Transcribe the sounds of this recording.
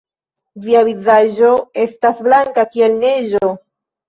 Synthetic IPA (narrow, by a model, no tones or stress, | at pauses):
viavizaʒoe̞stasblaŋkakielne̞ʒo